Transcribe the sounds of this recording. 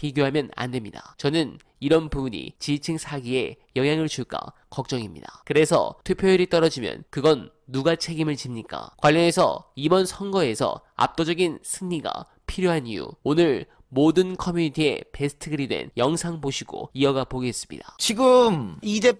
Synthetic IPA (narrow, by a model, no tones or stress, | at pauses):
piɡjoɦamjʌna̰ndwe̞mɲidat͡ɕʌnɯn | iɾʌnpubuɲḭt͡ɕit͡ɕʰiŋsʰaɡie̞ | jʌŋjaŋɯɭt͡ɕuɭk͈a̰ | kʌk̚t͡ɕ͈ʌŋimɲḭdakɯɾe̞sʰʌ̰tʰupʰjoiɾit͈ʌɾʌd͡ʑimjʌ̰nkɯɡʌnː | uɡat͡ɕʰe̞ɡimɯɭt͡ɕimɲik͈a̰kwaʎːʌne̞sʰʌ̰ibʌnsʰʌŋɡʌe̞sʰʌ̰a̰p̚t͈od͡ʑʌɡinsʰɯŋɲiɡa̰ | pʰiɾjoɦanijṵonɯɭ | modɯnkʰʌmjuɲitʰie̞̰pe̞sʰɯ̥tʰɯɡɯɾidwe̞̰njʌŋsʰaŋpoɕʰiɡo̰iʌɡapoɡees͈ɯmɲḭdat͡ɕiɡɯmide